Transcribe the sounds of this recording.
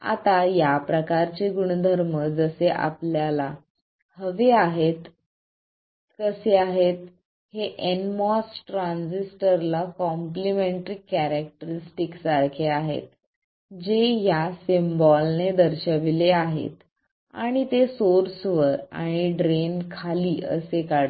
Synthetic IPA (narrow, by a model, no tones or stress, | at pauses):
a̰t̪ajapɾəkaɾt͡ɕeɡuɳ̃d̪ʱəɾməd͡zəseʔa̰pljala | həʋeaɦet̪ | kəseaɦet̪̚ | heʔenmɔsʈɾãnsisʈəɾlakɔmplimeɳʈɾiːkæɾak̚ʈəɾisʈiksaɾkʰeaɦḛt̪̚ | d͡ʑejasimbɔlned̪əɾɕəʋileaɦḛt̪ | a̰ɽ̃it̪esoɾsʋəɾa̰ɽ̃iɖɾenkʰaliːʔə̰sekaɽ